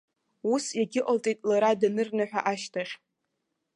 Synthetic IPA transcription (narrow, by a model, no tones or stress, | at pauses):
usjaɡʲɪʔʼltʼitʼlaɾadnɨrnaħᶣa̰ʔaʃtʰaχʲ